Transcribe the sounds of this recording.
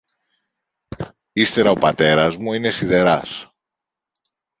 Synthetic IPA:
ist̪e̞ɾɐo̞pɐt̪e̞ɾɐzmuine̞siðe̞ɾɐs

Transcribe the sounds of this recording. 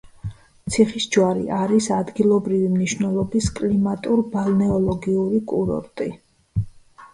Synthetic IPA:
t̪sʰiχisd͡ʒwaɾḭʔaɾisad̪ɡilˠɔbɾivimniʃvnɛlˠɔbiskʼlimat̪ʼuɾbalnɛɔlˠɔɡiuɾikʼuɾɔ̰ɾt̪ʼi

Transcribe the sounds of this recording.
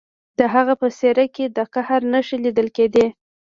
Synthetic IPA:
d̪̥əɦaɣapəseɾaked̪əqahaɾnəʃilid̪əlked̪e

